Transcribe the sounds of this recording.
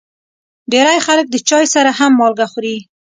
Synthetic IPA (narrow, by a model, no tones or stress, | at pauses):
ɖeɾajxalək̚d̪ət͡ʃɑjsaɾahamːɑlɡaxuɾi